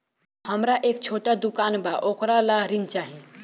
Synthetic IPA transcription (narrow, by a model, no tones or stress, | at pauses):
həmɾaʔeːk̚t͡ʃʰoːʈad̪ukaːnbaʔokɾalaɾint͡ʃaːɦe